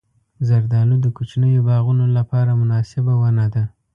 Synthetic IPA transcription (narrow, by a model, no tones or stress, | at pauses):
zaɾd̪ɑlud̪əkut͡ʃnəjobɑɣunolapɑɾamʊnɑsɪbawanad̪a